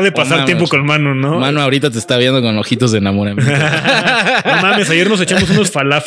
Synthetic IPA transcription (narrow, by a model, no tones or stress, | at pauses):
ðepasaɾt̪jemp̬oko̞nmãnonomãnoaoɾit̪at̪̬est̪aβjend̪o̞konoxit̪̬ozðenamoɾam | omãmesaʝeɾno̞s̬et͡ʃamos̬unosfalaf